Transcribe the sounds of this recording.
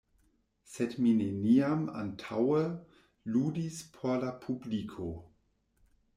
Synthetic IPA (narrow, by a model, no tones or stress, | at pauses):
sedmineniama̰ntʰawə | luːdispʰolapʰublikʰo